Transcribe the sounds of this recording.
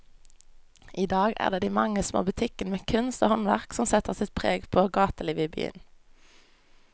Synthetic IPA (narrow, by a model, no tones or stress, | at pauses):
ʔiːd̪ɑːɡæ̰ːʁd̪eːd̪iːmɑŋəsmo̰ːbʉt̪ʰɪkənəmeːkʰʉnst̪o̰ːhɔnʋæʁksɔmsɛt̪əʁsɪt̪̚pʰʁeːɡpʰoːɡɑːt̪əliːʋəiːby̰ːə̰n